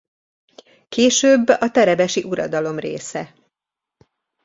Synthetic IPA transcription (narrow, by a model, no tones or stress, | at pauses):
keːʃøːbːɒt̪ɛɾɛbɛʃiʔuɾɒ̰d̪ɒlo̞mrḛːsɛ